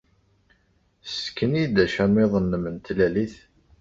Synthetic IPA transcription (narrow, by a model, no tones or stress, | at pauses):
skːənid̪æʃæmɪðˤənːəmənt̪læliθ